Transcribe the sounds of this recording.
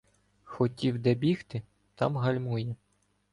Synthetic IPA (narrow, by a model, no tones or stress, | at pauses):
xɔtʲiwd̪ɛbʲixt̪ɪ | t̪ɑ̰mɦɐlʲmujɛ